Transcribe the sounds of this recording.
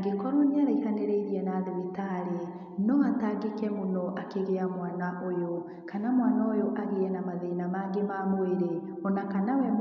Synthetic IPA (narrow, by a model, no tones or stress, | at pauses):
ɡekɔɾɔneaɾaihaneɾeiɾiɛnaðemitaɾe | nɔataɡekɛmonɔʔakeɣeamwanaʔojo | kanamwanaojoʔaɣeɛnamaðeinamaɡemamoeɾe | ɔnakanawɛm